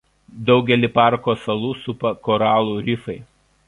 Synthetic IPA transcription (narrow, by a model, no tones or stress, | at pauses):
d̪ɒʊɡʲɛlʲipɑˑɾkoːsɐlˠuːsʊpɐkɔɾɑːlˠuːɾʲɪfɐɪ